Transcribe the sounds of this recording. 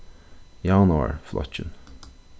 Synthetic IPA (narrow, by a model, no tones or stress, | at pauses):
jɑːnʊɑ̰ɹflɑ̰t͡ʃən